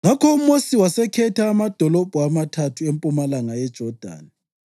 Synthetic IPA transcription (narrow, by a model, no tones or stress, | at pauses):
ŋakʰɔumosiwasɛkʰɛtʰaːmad̥ʱɔlɔb̥ʱuamatʰatʰuempʼumalaŋajɛd̥ʒ̥ʱɔd̥ʱa̰ːni